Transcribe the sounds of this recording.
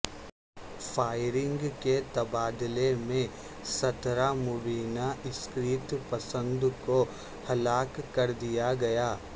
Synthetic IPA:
fʰaːɪɾɪ̃ŋɡket̪ɐbaːd̪ɪlemẽ | sɐt̪ɾamʊbiːnaɪskɾiːt̪pɐsə̃nd̪ko | hɐlaːkkːɐɾd̪ijaɡɐjaː

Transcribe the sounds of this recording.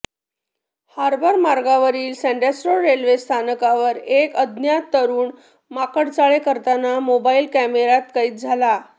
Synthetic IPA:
haɾbʱəɾmaɾɡaʋəɾiːlsɛ̃ɳɖesʈɾoɾelʋest̪ʰanəkaʋəɾekəd̪njat̪ːəɾuːn | makəɽt͡saɭekəɾt̪anamobailkæmeɾat̪kaiːt̪̚d͡zʱala

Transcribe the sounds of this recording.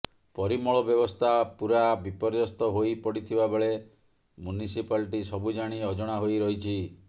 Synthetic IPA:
pɔɾimɔɭɔbjɔbɔst̪ʰapuɾabipɔɾjɔst̪ɔɦojpɔɽit̪ʰibabeɭe | munisipalʈisɔbud͡ʒaɽ̃iɔd͡ʒɔɽ̃aɦojɾɔɦit͡ʃʰi

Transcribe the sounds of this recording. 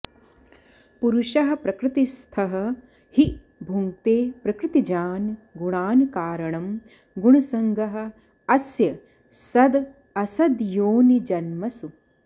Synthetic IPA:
puɾuʃɐɦɐ̆pɾɐkɾɪt̪ist̪ʰɐɦɐ̆ | hi | bʱuŋt̪eːpɾɐkɾɪt̪id͡ʒaːnɡuɳaːnkaːɾɐɳɐm | ɡuɳ̃ɐsɐŋɡʱɐɦɐ̆ | ɐsjɐ | sɐd̪ | ɐsɐd̪joːnid͡ʒɐnmɐsu

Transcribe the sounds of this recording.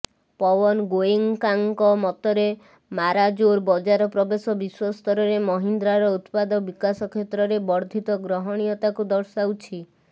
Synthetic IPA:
pɔbɔnɡojeŋkaŋkɔmɔt̪ɔɾe | maɾad͡ʒoɾbɔd͡ʒaɾɔpɾɔbesɔbiswɔst̪ɔɾɔɾemɔɦind̪ɾaɾɔut̪pad̪ɔbikasɔkʰet̪ɾɔɾebɔɾd̪ʱit̪ɔɡɾɔɦɔɽ̃ijɔt̪akud̪ɔɾsawt͡ʃʰi

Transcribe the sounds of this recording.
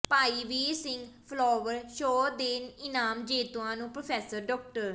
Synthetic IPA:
paːiːʋiːɾsɪ̃ŋɡpʰlɔːʋəɾʃoːd̪eːnɪnaːmd͡ʒeːt̪uãːnũːpɾoːpʰɛːsəɾɖɔːk̚ʈəɾ

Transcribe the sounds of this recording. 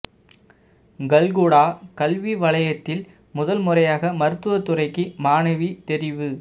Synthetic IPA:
ɡɐlɡuːɽaːkɐlʋiʋɐɭɐjɐt̪ːɪl | mʊðɐlmʊrɐjaːɣɐmɐɾɯt̪ːɯʋɐt̪ːʊrɐɪkːɯmaːnɐʋit̪ɛɾɪʋɯ

